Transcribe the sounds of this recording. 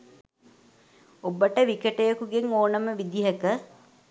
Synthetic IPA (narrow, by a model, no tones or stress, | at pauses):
obəʈəʋikəʈejəkuɡeŋoːnəməʋid̪iɦəkə